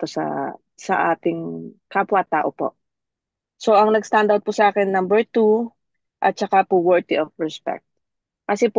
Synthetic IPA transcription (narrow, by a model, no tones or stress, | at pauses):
t̪osɐ̰ | sɐ̰ʔa̰ːt̪ɪŋkapwat̪aːʔopo̰ʔ | soʔɐŋnɐɡst̪and̪awt̪̚pʊsɐʔaːkɛnːambɛɹt̪u | ʔɐt̪̚t͡ʃɐkapuwɛɹd̪iʔofɹɛspɛ̰k̚t̪̚ | kɐsɛp